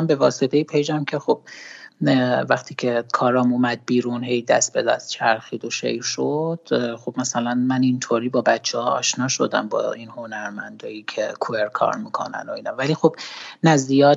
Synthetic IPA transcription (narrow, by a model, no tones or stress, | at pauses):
mbe̞vɒːset̪ʰejipʰejd͡ʒæmcʲʰe̞xob̥̚ | væxt̪ʰiːcʰe̞kʰɒːɾɒːmumæd̪̚biːɾuːnɦe̞jd̪æ̰st̪̚be̞d̪æ̰st̪̚t͡ʃʰæɾxiːd̪oʃḛjʃod̪̥xob̥mæsælænmænint̪ʰoːɾiːbɒːbæt͡ʃʰːehɒːɒːʃnɒːʃo̞d̪æ̰mbɒ̰ːinho̞næɾmænd̪ɒːjiːcʰekʰueɾkʰɒ̰ːɾmiːkʰo̞̰næ̰noiːnɒvæliːxob̥næzd̪ijɒː